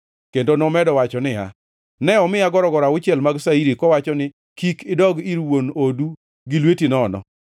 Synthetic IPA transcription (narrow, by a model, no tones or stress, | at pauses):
kendonɔmɛdɔwat͡ʃɔnɪa̰ | nɛɔmɪaɡɔɾɔɡɔɾaʊt͡ʃɪɛlmaɡsaiɾikɔwat͡ʃɔnɪ | kikɪdɔɡiɾwonodu | ɡɪlwetinɔnɔ̰